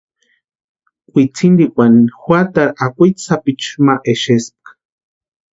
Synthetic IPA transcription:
kʷʼit͡sʰind̪ikʷanixʷat̪aɾakʷit̪sapit͡ʃmaʔeʃesp̚kḁ

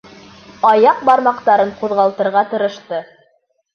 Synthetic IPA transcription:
ɑjɑq̚bɑɾmɑqt̪ɑɾɤɴquðʁɑlˠt̪ɤ̆ɾʁɑt̪ɤ̆ɾɤ̆ʃt̪ɤ

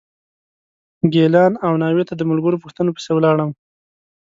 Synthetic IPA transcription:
ɡelɑnawnɑwet̪ad̪əmʊlɡəɾopuxt̪ənopə̥sewlɑɽəm

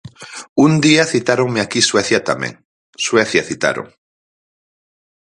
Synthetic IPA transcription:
und̪iaθit̪aɾoŋmeakisweθjat̪amḛ̃ŋ | sweθjaθit̪a̰ɾo̰ŋ

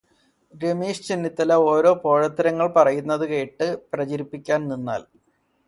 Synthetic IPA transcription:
ɡemeːʂt͡ɕinːit̪ːɐlɐo̞ːɾo̞ːpo̞ːɻɐt̪ːɐɾɐŋːɐɭpɐrɐjunːɐðɨke̞ːʈːɨprɐt͡ɕɐɾipːikʲːaːnninːa̰ːl

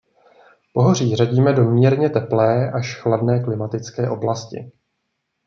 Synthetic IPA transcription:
po̞ɦor̝iːraɟiːmɛdo̞mɲiɾɲɛt̪ɛplɛːʔaʃxladnɛːklɪmat̪ɪt͡skɛːʔo̞blascɪ̰

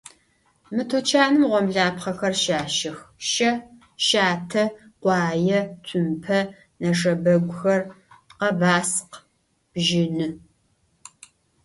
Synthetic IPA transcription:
mɨtʰut͡ʃʰaːnɨmʁʷɔmɮaːpχɐxɐrʃaːʃɪxʃɐ | ʃaːtʰɐqʷɑːjɐtʷʰʊmpʰɐ | nɐʂ̬ɐbɐɡʷʊxɐr | qɐbaːsq | b̥ʒɪnɨ

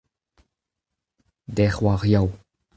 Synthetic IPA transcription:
dɛχwaʁjaw

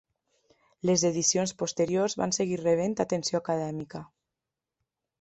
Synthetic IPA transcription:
lezeðisionspost̪eɾiozβa̰nseɣireβ̞ent̪at̪ensjoakaðɛmikə

